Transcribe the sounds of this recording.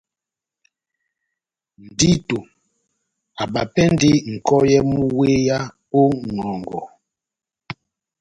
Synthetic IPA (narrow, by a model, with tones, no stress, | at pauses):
n̩˨di˦to˨ | a˨ɓa˨pɛ˦nde˦ŋ̩˨kɔ˦jɛ˦mu˦we˦ja˦ | o˦ŋɔ˨ŋɡɔ˨